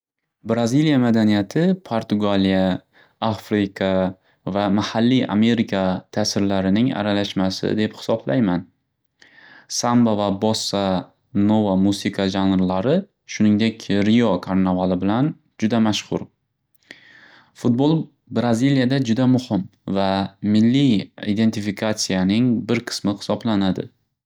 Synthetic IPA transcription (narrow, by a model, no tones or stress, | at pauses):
bɾazilijamad̪anijat̪ʰɪpʰoɾt̪ʰʊɡalija | afɾɪkʰa | vamahalːia̰me̞ɾikʰat̪ʰasɪɾlaɾɪnɪŋa̰ɾalaʃmasɪ̰d̪e̞phɪ̥sɒbla̰jman | sambavabɒsːa | novamusikʰaʒanɾlaɾɪ | ʃʊnɪŋd̪e̞kʲɾijɒkʰaɾnavalˠɪbɪlan | d͡ʒʊd̪amaʃχʊ̰ɾ | fʊt̪̚bolˠ | bɾazilijad̪ad͡ʒʊd̪amʊhɪmvamɪlːiid̪e̞nt̪ʰɪfikʰat̪sijanɪŋbɪɾqʰɨ̥smɪhɪ̥sɒblanad̪ɪ̰